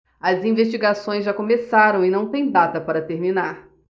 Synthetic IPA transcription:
ɐzĩveʃt͡ʃiɡasõj̃zʒakõmesaɾɐ̃w̃ɪnɐ̃w̃t̪ẽj̃d̪at̪ɐpaɾɐt̪eɾminaɾ

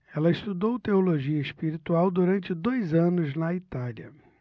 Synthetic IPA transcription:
ɛlɐɪst̪ud̪owt̪eoloʒiɐɪspiɾit̪uawd̪uɾɐ̃nt͡ʃɪd̪ojzɐ̃nʊznɐit̪aliɐ̰

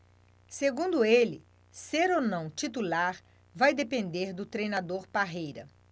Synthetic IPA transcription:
seɡũnd̪ʊelɪ | seɾonɐ̃w̃t͡ʃit̪ulaɾ | vajd̪epẽnd̪eɾd̪ʊt̪ɾejnad̪oɾpaɦejɾɐ

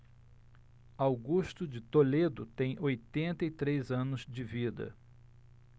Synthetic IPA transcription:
awɡuʃt̪ʊd͡ʒɪt̪oled̪ʊt̪ẽj̃ojt̪ẽnt̪ɐɪt̪ɾezɐ̃nʊzd͡ʒɪvid̪ɐ̰

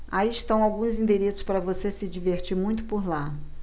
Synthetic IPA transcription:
aiɪʃt̪ɐ̃w̃awɡũzĩd̪eɾesʊ̥spaɾɐvosesɪd͡ʒiveɾt͡ʃiɾmũj̃t̪ʊ̥poɾla

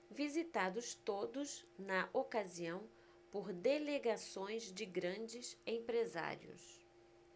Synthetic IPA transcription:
vizit̪ad̪ʊst̪od̪ʊsnɐʔokaziɐ̃w̃ | poɾd̪eleɡasõj̃zd͡ʒɪɡɾɐ̃d͡ʒɪsẽpɾeza̰ɾjʊ̰s

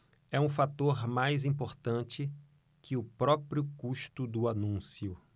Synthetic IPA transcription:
ɛũfat̪oɾmajzĩpoɾt̪ɐ̃nt͡ʃɪ | kʰɪʊpɾɔpɾiʊkuʃt̪ʊd̪ʊanũsiʊ

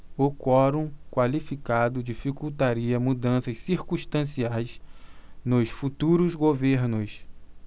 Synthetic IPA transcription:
okɔɾũkwalifikad̪ʊd͡ʒifikuwt̪aɾiɐmud̪ɐ̃sɐssiɾkũst̪ɐ̃siajs | nʊsfut̪uɾʊzɡoveɾnʊs

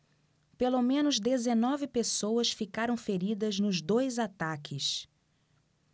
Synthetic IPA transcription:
pelomẽnʊzd̪ezenɔvɪpesowɐsfikaɾɐ̃w̃feɾid̪ɐznʊzd̪ojzat̪akʰɪs

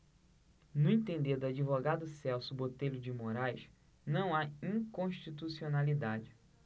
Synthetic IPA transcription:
nʊẽnt̪ẽnd̪eɾd̪ʊad͡ʒivoɡad̪ʊsɛwsʊbot̪ejlʊd͡ʒɪmoɾajʃ | nɐ̃w̃aĩŋkõʃt͡ʃit̪usionalid̪ad͡ʒɪ

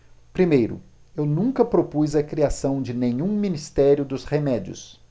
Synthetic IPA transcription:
pɾimejɾʊ̰ | ewnũŋkɐpɾopujzɐkɾiasɐ̃w̃d͡ʒɪnẽɲũminist̪ɛɾjʊd̪ʊshemɛd͡ʒiʊ̰s

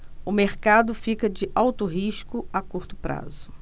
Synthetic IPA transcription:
ʊmeɾkad̪ʊfikɐd͡ʒɪʔawt̪ʊɦiʃkʊakuɾt̪ʊ̥pɾa̰zʊ

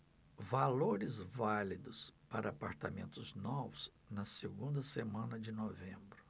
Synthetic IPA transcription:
valoɾɪzvalid̪ʊspaɾɐːpaɾt̪amẽnt̪ʊznɔvʊz | nɐseɡũnd̪ɐsemɐ̃nɐd͡ʒɪnovẽmbɾʊ

